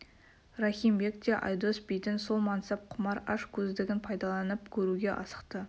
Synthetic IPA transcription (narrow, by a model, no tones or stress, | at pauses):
rɑχʲimbe̞kt̪eʔɑ̰jd̪ospijt̪ɪnso̞lˠmɑnsɑp̚qʰʊmɑɾɑʃkʲʰɵzd̪ɪɡʲɪnpʰɑjd̪ɑlˠɑnəpkʲʰɵɾuɡʲe̞ʔɑ̰sə̥qt̪ə